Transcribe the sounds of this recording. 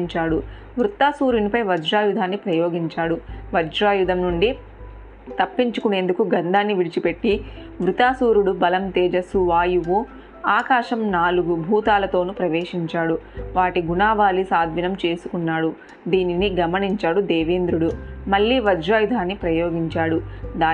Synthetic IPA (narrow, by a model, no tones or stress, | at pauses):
ɲt͡ʃaːɽu | ʋɾut̪aːsuːɾunipɐjʋɐd͡ʒɾaːjud̪ʱaːnːipɾɐjoːɡiɲt͡ʃaːɽuʋɐd͡ʒɾaːjud̪ʱɐmnuɳɖi | t̪ɐpːiɲt͡ʃukune̞ːnd̪ukuɡɐnd̪ʱaːnːiʋiɽit͡ʃipe̞ʈːi | ʋɾut̪aːsuːɾuɽubɐlɐmt̪ɛːd͡ʒɐsuʋaːjuʋu | aːkaːʂɐmnaːluɡubʱuːt̪aːlɐt̪o̞ːnupɾɐʋeːʂiɲt͡ʃaːɽuʋaːʈiɡunaːʋaːlisaːd̪ʱʋinɐmt͡ʃe̞ːsu̥kunːaːɽu | d̪iːniniɡɐmɐniɲt͡ʃaːɽud̪ɛːʋeːnd̪ɾuɽumɐɭːiːʋɐd͡ʒɾaːjud̪ʱaːnːipɾɐjoːɡiɲt͡ʃaːɽud̪aː